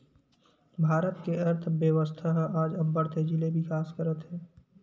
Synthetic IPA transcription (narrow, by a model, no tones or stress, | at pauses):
bʱaːɾət̪keɐɾt̪ʰbjəʋəst̪ʰaɦaːd͡ʒɐ̃mbəɾt̪ʰed͡ʒilebʱikaːskəɾət̪ɦɛː